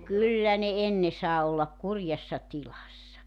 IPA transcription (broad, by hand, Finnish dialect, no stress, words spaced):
kylːæ ne enːe sɑː olːɑk kurjɑsːɑ tilɑsːɑ